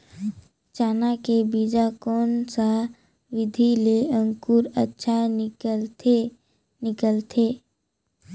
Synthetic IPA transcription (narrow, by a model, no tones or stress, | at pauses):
t͡ʃaːnakebiːd͡ʒakɔːnsa | ʋɪd̪ʱileə̃ŋkuːɾətːʃʰa | nɪkəlt̪ʰeː